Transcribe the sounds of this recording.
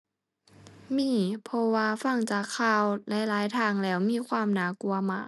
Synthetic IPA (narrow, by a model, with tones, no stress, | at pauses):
miː˧˥˩pʰɔ˧waː˧fa˧˥˩ŋt͡ɕaː˨˩kʰːaː˧˩˨wlɛ˦˥laː˨˦jt̪ʰaː˧˩ŋlɛː˧˩wmiː˧˥˨kʰwaː˧˥˨mnaː˧˥ku˧ɐmaː˧˩k̚